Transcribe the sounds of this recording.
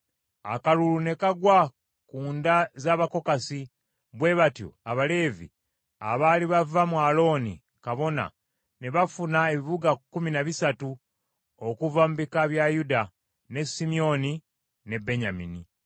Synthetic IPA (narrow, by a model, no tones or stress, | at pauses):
akalulune̞kaɡwa | kuːndazaːβako̞kasi | βwe̞βatjo̰aβale̞ːvḭ | a̰βaːliβavamwaːlo̞ːnḭ | kaβo̞na̰ | ne̞βafunae̞βiβuɡakːuminaβisatu | okuvamuβikaβjajuda | ne̞simio̞ni | ne̞be̞ɲamini